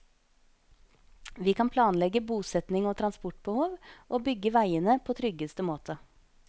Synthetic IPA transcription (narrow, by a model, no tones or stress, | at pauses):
ʋiːkʰɑnpʰlɑːnlɛɡəbuːsɛt̪nɪŋoːt̪ʰɾɑnspɔʈ̚bəhoːʋʔoːbʏɡːəʋæɪənəpʰoːt̪ʰɾʏɡəst̪əmoːt̪ʰə